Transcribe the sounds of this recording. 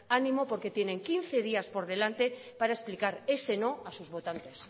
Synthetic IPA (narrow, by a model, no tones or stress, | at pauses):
anĩmo̞po̞ɾke̞t̪jenẽ̞ŋkinθe̞ð̞iaspo̞ɾð̞e̞lant̪e̞ | paɾaesplikaɾe̞se̞no̞asuzβo̞t̪ant̪e̞s